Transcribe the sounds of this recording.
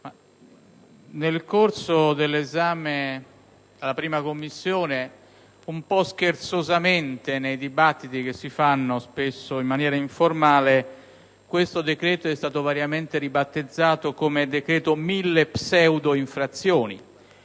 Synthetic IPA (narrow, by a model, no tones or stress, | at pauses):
ma | nelkorsod̪elːezaːme | alːapɾiːmakomːisːjoːne | umpɔsk̟ert̪sozament̪enejd̪ibat̪ːit̪ik̟esːifanːospesːoimːanjɛːɾaiɱformaːle | kwest̪od̪ekɾɛːt̪oɛst̪aːt̪ovaɾjament̪eɾibat̪ːed̪zːaːt̪okomed̪ekɾɛːt̪omilːepsɛwd̪oiɱfɾat̪sːjoːnḭ